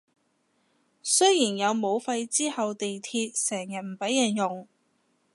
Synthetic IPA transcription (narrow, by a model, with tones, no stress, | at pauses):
sɵ˥jiː˨˩njɐ˨˧wmo˨˧wfɐ˧jt͡siː˥hɐ˨wt̪e˨jt̪ʰiː˧t̚sɛː˨˩ŋjɐ˨t̚m̩˨˩pɐ˨˥jɐː˨˩njʊ˨˩ŋ